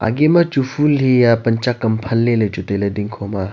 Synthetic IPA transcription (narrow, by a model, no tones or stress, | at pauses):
a̰ɡemɐt͡ʃufʰulɦijapɐnt͡ʃakːɐmpʰɐlːelɐjt͡ʃut̪elɐd̪iŋkʰoma